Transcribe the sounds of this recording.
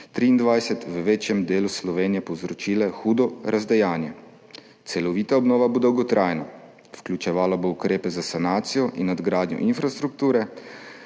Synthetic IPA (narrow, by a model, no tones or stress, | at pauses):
t̪ɾiːnd̪ʋajsɛt̪ʋəʋeːt͡ʃjɛmd̪eːluslɔʋeːnijɛpɔwzɾɔt͡ʃiːlɛxuːd̪ɔɾʔazd̪ajaːnjɛ | t̪sɛlɔʋiːt̪aɔbnɔːʋabod̪ɐwɡɔt̪ɾʔaːjnɔ | fklʲut͡ʃɛʋaːlaboukɾeːpɛzasanaːt̪sijɔʔinɔd̪ɡɾaːd̪njɔ̰ʔinfɾast̪ɾuk̚t̪uːɾɛ